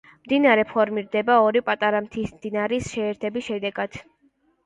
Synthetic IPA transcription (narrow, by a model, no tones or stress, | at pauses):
md̪inaɾɛpʰɔɾmiɾd̪ɛbaɔɾipʼat̪ʼaɾamt̪ʰismd̪inaɾisʃɛːɾt̪ʰɛbisʃɛd̪ɛɡad̪̥